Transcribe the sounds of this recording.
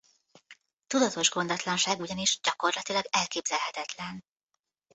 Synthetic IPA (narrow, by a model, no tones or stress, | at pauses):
t̪ud̪ɒt̪o̞ʒɡo̞nd̪ɒt̪lɒnʃaːɡuɟɒniʒɟɒko̞rlɒt̪ilɒɡɛlkeːbzɛlɦɛt̪ɛt̪lɛn